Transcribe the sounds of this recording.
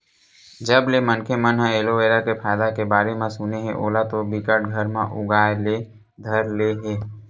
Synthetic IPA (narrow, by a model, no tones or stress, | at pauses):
d͡ʒəblemənkʰemənɦãeːloeːɾakepʰaːd̪akebaːɾemãsʊneɦɛ̃ʔo̰ːlat̪obɪkəʈ̚ɡʱəɾmã̰ʔʊɡaːle | d̪ʱəɾleɦeː